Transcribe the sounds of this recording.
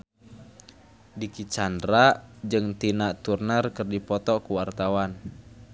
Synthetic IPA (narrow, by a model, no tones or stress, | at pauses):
dikit͡ʃandɾad͡ʒɨŋt̪inaʔt̪urnərkɨrdipɔt̪ɔkuwart̪awan